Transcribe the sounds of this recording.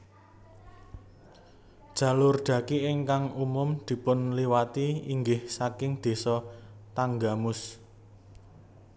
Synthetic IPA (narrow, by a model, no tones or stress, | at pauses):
d̥ʒ̥ä̤lʊrɖ̪̥ä̤kiɪŋkaŋumʊmd̪̥i̤pʊnliwat̪iiŋɡɪhsakɪŋd̪̥e̤sɔt̪aŋɡamʊs